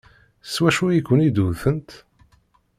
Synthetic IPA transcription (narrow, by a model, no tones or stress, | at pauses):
swæʃujikʷːənid̪uðθənt̪